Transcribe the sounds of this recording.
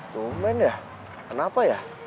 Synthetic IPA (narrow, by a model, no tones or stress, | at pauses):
t̪umɛnja | kənapaja